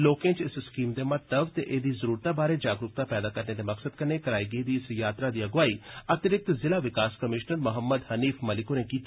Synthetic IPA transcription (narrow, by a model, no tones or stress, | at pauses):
loːkẽt͡ʃɪsskiːmd̪emɐt̪əbt̪eʔeːd̪izəɾuːɾt̪abaːɾed͡ʒaːɡɾʊk̚t̪apɛːd̪akɐɾned̪emɐksəd̪̚kɐɾnekɐɾaːiɡeid̪iɪsjaːt̪ɾad̪iːɐɡʋaːiːɐt̪ɾɪk̚t̪zɪlaʋɪkaːskɐmɪʃnəɾmʊɦəmːəd̪hɐniːfʰmɐlɪkoɾẽkiːt̪